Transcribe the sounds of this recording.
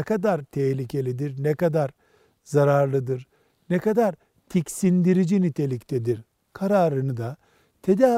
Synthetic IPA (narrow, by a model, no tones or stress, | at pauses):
ɛkad̪aɾt̪ʰɛçlʲicʰe̞lʲid̪iɾnɛkad̪aɾ | zaɾaɾlˠɯd̪ɯɾ | nɛkad̪aɾ | t̪ʰicsind̪iɾid͡ʒinyt̪ʰe̞lʲict̪ʰɛd̪iɾ | kʰaɾaːɾɯnɯd̪a | t̪ʰed̪aː